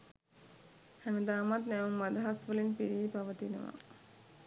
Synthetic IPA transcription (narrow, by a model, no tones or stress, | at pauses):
hænəd̪aːmat̪nɛumːad̪ɐɦasʋəlinpiɾiːpaʋət̪inə̰ʋa̰